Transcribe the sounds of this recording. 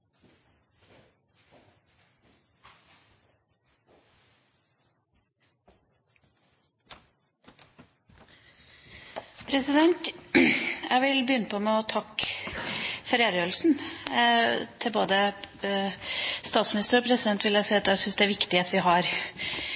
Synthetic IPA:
pʰɾɛsɪd̪ɛnt̪ | jʔæɪʋɪlbəjʏnːəpʰɔmɛɔt̪ʰɑk | fɛɾeːɾəjøːɾlsn̩ | t̪ʰɪlboːd̪ə | st̪ɑːt̪smɪnɪst̪əɾɔpʰɾɛsɪd̪ɛnt̪ʋɪljæɪsɛɪɑt̪æsʏnsd̪ɛæɾʋɪkt̪ɪheːt̪ʋɪɦɑɾ

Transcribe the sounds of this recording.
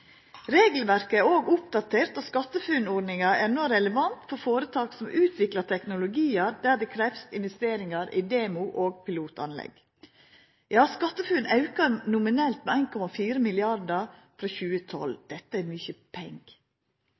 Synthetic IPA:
ɾeːɡl̩ʋæɾkəæɾoːɡʊpd̪ɑt̪ʰeːɾt̪oːskɑt̪ːəfʉnɔɖnɪŋɑænɔɾɛləʋɑnt̪fɔɾfoːɾət̪ʰɑːksɔmʉːt̪ʰʋɪklɑt̪ʰɛknʊlʊɡiːɑɾd̪æːd̪ɛkʰɾɛfsɪnʋɛst̪eːɾɪŋɑɾḭːd̪eːmʊʔoːɡpʰɪluːt̪ɑ̰nlɛ̰ɡ̥ | jɑːskɑt̪ːəfʉːnɑʉkɑnʊmɪnɛlt̪mɛæɪnkʰɔmɑfiːɾəmɪlɪɑɾdɑɾ | fɾɑːçʉːət̪ʰɔ̰ld̪̥ɛt̪ːəæmyːçəpʰɛŋɡ̥

